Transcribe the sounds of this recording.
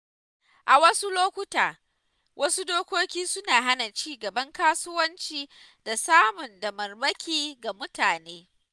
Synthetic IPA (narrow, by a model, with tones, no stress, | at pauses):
ʔa˨wɐ˦su˦loː˦kʷʊ˦taː˨ | wʔɐ˦su˦doː˦kʷoː˦kʲiː˦sʊ˦naː˨ɦa˦na˨t͡ʃiː˦ɡɐ˨bɐ˦ŋkaː˦sʊ˦wɐ˦nt͡ʃiː˦ | da˨saː˦mʊ˨ndɐ˨mɐ˨rbɐ˦kʲiː˦ɡa˨mʊ˦taː˨neː˦